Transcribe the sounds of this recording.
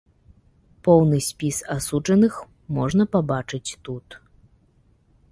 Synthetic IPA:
pɔwnɨsʲpʲisasut͡ʂɐnɨx | mɔʐnɐpabat͡ʂɨt͡sʲt̪ut̪

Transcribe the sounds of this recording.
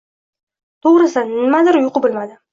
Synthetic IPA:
t̪ʰoʁɾɨsanɪmad̪ɪɾjʊqʊbɪlmad̪ɪ

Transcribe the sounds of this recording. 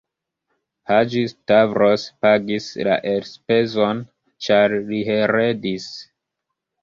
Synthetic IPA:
had͡ʒistavɾospaɡisla̰ʔeɾspe̞zo̞n | t͡ʃaɾliɦeɾedis

